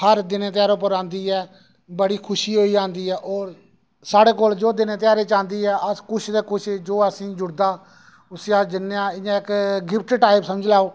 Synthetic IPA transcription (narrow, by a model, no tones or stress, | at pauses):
həɾd̪ɪneːt̪ɪjaːɾoːp̬əɾãːnd̪iːɛː | bəɽiːkʰʊʃiːɦoːiːd͡ʒãːnd̪iːɛːʔoːɾ | saːɽeːkoːld͡ʒoːd̪ɪneːt̪ɪjaːɾeːt͡ʃãːnd̪iːɛːʔəkʊt͡ʃʰd̪eːkʊt͡ʃʰːd͡ʒoːəsĩːd͡ʒʊɽd̪aː | ʊsjaːd͡ʒɪnːjãːɪjãːɪkɡɪp̚ʰʈʈaːɪpsəməd͡ʒlaːoː